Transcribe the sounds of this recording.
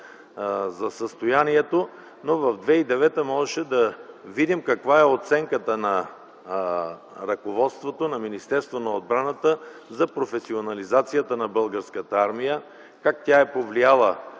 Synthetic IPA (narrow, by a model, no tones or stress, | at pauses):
zɐsəst̪ojaniɛt̪o | novɐvd̪vɛid̪ɛvɛt̪əmɔʒɛʃɛd̪ɐvid̪imkɐkvaɛot̪sɛŋkət̪ənɐ | ɾɐkovɔt̪st̪vot̪onɐminist̪ɛɾst̪vonɐod̪̚bɾanət̪əzɐpɾofɛsionɐlizat̪sijət̪ənɐbɤlˠɡəɾskət̪əaɾmijə | kakt̪ʲaɛpovlijalˠə